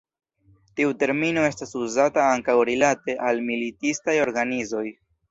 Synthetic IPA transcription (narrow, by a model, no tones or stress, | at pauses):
tiute̞ɾmino̞e̞stasuzataaŋkawɾilate̞ʔalmilitistajo̞ɾɡanizo̞j